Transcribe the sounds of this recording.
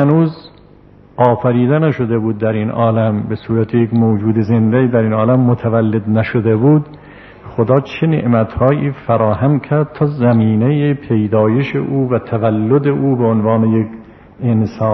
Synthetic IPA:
hænuːz | ʔɒːfæɾiːd̪ænæʃod̪ebuːd̪ːæɾinɒːlæmbesuːɾæt̪ʰejekmoːd͡ʒuːd̪ezend̪æiːd̪æɾiːnɒːlæmːot̪ʰævælːed̪næʃod̪ebuːd̪ | xod̪ɒːt͡ʃʰe̞nḛʔmæt̪hɒːʔiːfæɾɒːɦæmkʲʰæɾd̪̥̚t̪ʰɒːzæmiːnejepʰe̞jd̪ɒːje̞ʃḛʔuːvæt̪ʰævælːod̪eʔuːbeonvɑːnejek | ensɑː

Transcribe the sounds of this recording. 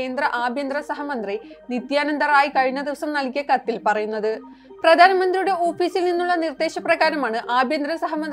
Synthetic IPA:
eːnd̪rɐʔaːbʱjɐnd̪rɐsɐɦɐmɐnd̪rinit̪jaːnɐnd̪ɐraːjikɐɻiɲːɐd̪iʋɐsɐmnɐlkʲːɐkɐt̪ːilpɐrɐjunːɐðɨ | prɐd̪ʱaːnɐmɐnd̪rijuɽe̞o̞ːfiːsilninːuɭːɐnird̪e̞ːɕɐprɐɣaːɾɐmaːɳɨʔaːbʱjɐnd̪rɐsɐɦɐmɐnd̪

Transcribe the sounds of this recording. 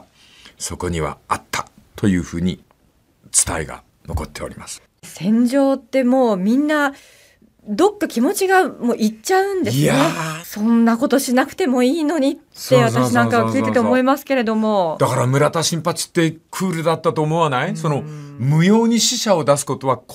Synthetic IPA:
so̞ko̞ɲ̟iβa̰at̪ʰːḁt̪o̞jɯ̟ːɸɯ̟ːɲ̟ḭ | t͡sɨ̥t̪a̰iɡa̰ | no̞̰ko̞t̪ːe̞o̞̰ɾʲimasɨ̥ | sẽ̞ɲ̟d͡ʑo̞ːt̪ːe̞mo̞ːmʲĩnːa | d̪o̞kːakʲimo̞t͡ɕiɡamoːʔit͡ɕaɯ̟̃nd̪e̞ɨaesõ̞nːako̞t̪o̞ɕinakɯ̟̥t̪e̞mo̞iːno̞ɲ̟itt̪seβaaɕinãŋkaβakʲiːt̪et̪eomo̞imasɨ̥ke̞ɾe̞d̪o̞mo̞d̪̥akaɾamɯ̟ɾat̪aɕĩmpat͡sɨ̥t̪ːe̞kʰɯːɾɯ̟d̪at̪ːat̪oːmoβanaiso̞no̞mɯ̟jo̞ːɲ̟iɕiɕao̞d̪asɨ̥ko̞t̪o̞βa

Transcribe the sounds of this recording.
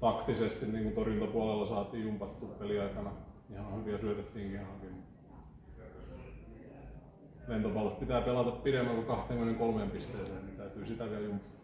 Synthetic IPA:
t̪ɑkt̪isest̪inniːŋkunt̪orjunt̪ɑpuɑlelːɑsɑːt̪iːjjumpɑt̪ːuːppeliɑikɑnɑihɑhyʋiæsyøt̪et̪ːiːŋkihɑŋkimut̪ | ʋent̪opɑlospit̪æːpelɑt̪ɑppiɾemːæŋkukɑht̪eŋkmenːeŋkolmeːmpist̪eːsennit̪æyt̪yːsit̪æʋiæljumpɑ̥t̪

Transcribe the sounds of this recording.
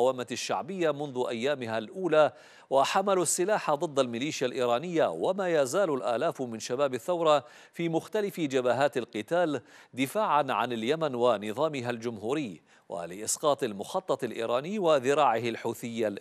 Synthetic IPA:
wamaʃːa̰ʕbɪjːamʊnðʊʔajːaːmɪɦalʔuːlaː | waħamalsːɪlaːħad̪ˤɨd̪ˤːalmɪliːʃjalʔḭːɾˤɑːnɪjːawamaːjazaːlʊlʔa̰ːlaːfmɪnʃabaːbaθːawɾˤɑ | fiːmʊxt̪alɪfd͡ʒabaːɦaːt̪alqɨt̪aːld̪ɪfaːʕanʕanaljamanwanɨðˤɑːmɪɦald͡ʒʊmɦuːɾɪjː | wa̰lɪʔɪsqɑːt̪ˤalmʊxɑt̪ˤːɑt̪ˤɪlʔḭːɾˤɑːnɪjːwaðɪɾˤɑːʕɪhalħuːθɪjːa

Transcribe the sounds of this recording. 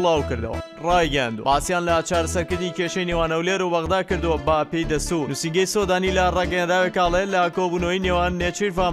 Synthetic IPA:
lɑːwkɨɾd̪ɐ̰wɐ̰ | rɑːjɡɐja̰nd̪uw̰ɐbaːsijaːnlɐt͡ʃaːɾɐsɐɾkɨɾd̪ikeʃɐjnewaːnɐwleɾubɐɣd̪aːkɨɾd̪ɨwɐbɐpejd̪ɐst̪uɾnusiŋɡɐjsod̪aːnilɐrɑːɡɐjaːnd̪aːwekɑːlˠelɐkobunoineːwaːnːet͡ʃiɾva

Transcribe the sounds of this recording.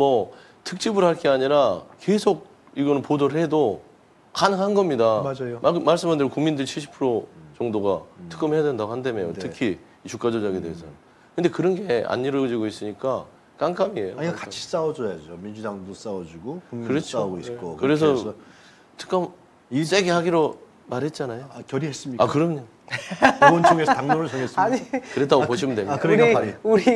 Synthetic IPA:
mʌ | tʰɯk̚t͡ɕ͈ibuɾɦaɭk͈eaɲiɾake̞sʰoɡ̚ | iɡʌnɯnpodoɾhe̞do | kanɯŋɦanɡʌmɲidamad͡ʑajomaɭs͈ɯmɦandɯɾɡkuŋmindɯɾɭt͡ɕʰiɭɕʰi̥pʰɯɾot͡ɕʌŋdoɡatʰɯ̥k͈ɯmɦe̞jadwendaɡohandemejottʰɯkʰiː | t͡ɕuk͈ad͡ʑʌd͡ʑʌɡedeɦesʰʌj | kɯnde̞kɯɾʌnɡe̞a̰ɲːiɾʌd͡ʑiɡois͈ɯɲik͈a | k͈aŋk͈amiejoaɲiakat͡ɕʰi̥s͈awʌd͡ʑojad͡ʑomind͡ʑudaŋdos͈awʌd͡ʑiɡokuikɯɾet͡ɕʰoɡoik͈okɯɾe̞sʰʌ | tʰɯ̥k͈ɯm | is͈eɡehaɡiɾo | maɾɦe̞t̚t͡ɕ͈anajoakjʌɾiɦes͈ɯmɲiakɯɾʌmɲo | wʌnt͡ɕʰoɡesʰʌtaŋnoɾɯɭsʰʌŋes͈aɲikɯɾet͈aɡopoɕʰimɯndwemkɯɾɾiaɾiuɾi

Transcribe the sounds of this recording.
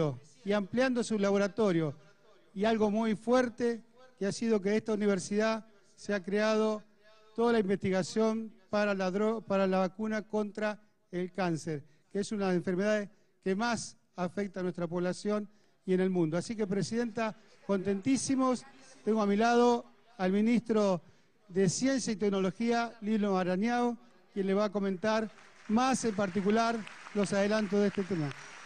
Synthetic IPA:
o | iampljand̪osulaβo̞ɾat̪o̞ɾjo | ialɣo̞mujfweɾt̪ekeasiðo̞k̬eðest̪auniβ̞eɾsiða | seakɾeað̞o̞ | t̪o̞ðalaimbe̞st̪iɣasjo̞mpaɾaɾopaɾalaβakunako̞nt̪ɾa | elkanseɾ | keesunaðeɱfeɾme̞ð̞aðes | kemas | afek̚t̪anwest̪ɾapoβlasjo̞n | ienelmũnd̪oasik̬epɾesiðe̞nt̪a | ko̞nt̪e̞nt̪isimost̪eŋɡoamilað̞o | alminist̪ɾo | ðesjensjait̪ek̚nolo̞xialilomaɾanjao | kje̞nleβaːko̞mẽ̞nt̪aɾmasempaɾt̪̬ikulaɾlo̞saðelant̪̬oðest̪et̪ema

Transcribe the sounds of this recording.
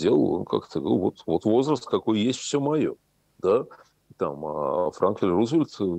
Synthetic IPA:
dʲelˠə̰lˠo̰nka̰kt̪əɡəvot̪vo̞t̪vo̞zrəst̪kɐko̞jjesʲtʲfsʲɵmɐjo̞̰ | d̪̥a | t̪amafɾʔankfʲɪlʲruzvʲɪlʲt̪

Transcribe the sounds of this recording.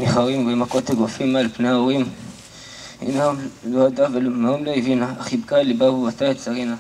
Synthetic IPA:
niχaʁimbemakot̪aɡofimalpneaoʁim | ḭnamload̪avelnaumloivinaːχibkalibabubat̪aetsaʁina

